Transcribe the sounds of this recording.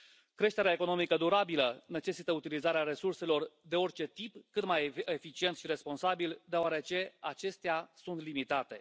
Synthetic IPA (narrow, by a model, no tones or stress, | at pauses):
kɾe̞ʃt̪e̞ɾeaeko̞no̞mikəd̪uɾabiləne̞t͡ʃe̞sit̪əut̪ilizaɾeaɾe̞surse̞lo̞rd̪e̞o̞rʲt͡ʃe̞t̪ipkɨt̪majefit͡ʃient̪ʃiɾe̞spo̞nsabild̪eoaɾe̞t͡ʃe̞at͡ʃe̞st̪easunt̪limit̪at̪e̞